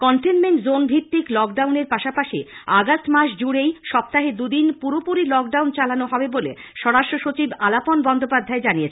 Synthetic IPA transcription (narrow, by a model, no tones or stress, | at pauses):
kɔɳʈenmeɳʈzonbʱit̪ːiklɔk̚ɖawneɾpaʃapaʃḭaɡastmaʃd͡ʑuɽejʃɔp̚t̪aɦed̪ud̪inpuɾopuɾilɔk̚ɖawnt͡ɕalanoɦɔbebolḛʃɔɽaʃʈɾoʃot͡ɕibalaponbɔnd̪ʱopad̪ʱːaed͡ʑanijet͡ɕʰe